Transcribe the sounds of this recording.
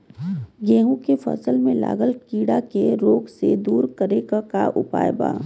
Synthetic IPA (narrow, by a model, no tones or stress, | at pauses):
ɡẽːɦũkefə̰səlmẽla̰ːɡəlkiːɽakeɾoːɡsed̪uːɾkəɾekakaʔʊ̰pa̰ːjba̰ː